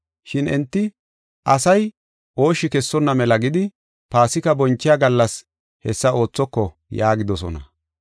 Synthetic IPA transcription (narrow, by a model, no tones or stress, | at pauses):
ʃɪnɛnt̪ːɪ | ʔɐsɐj | ʔo̞ːʃɪkɛsːɔnːɐmɛlɐɡɪd̪ɪ | paːsɪkɐbɔnt͡ʃːɪjaɡɐlːɐs | hɛsːɐo̞ːt͡sːɔkːɔ | jaːɡɪd̪ɔs̬ɔ̰nɐ̰